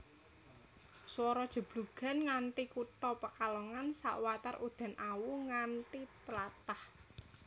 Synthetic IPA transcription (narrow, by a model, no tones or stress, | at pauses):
swɔɾɔd̥ʒ̥ə̤b̥luɡ̥ä̤nŋanʈikuʈɔpəkalɔŋansa̰ʔwat̪arʔud̪̥a̤nʔawuŋanʈit̪əlat̪ah